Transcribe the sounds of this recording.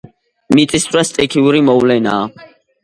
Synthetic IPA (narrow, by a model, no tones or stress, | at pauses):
mit̪ʼist̪ʰʼɾast̪ʼɛkʰiuɾimɔvlɛnaː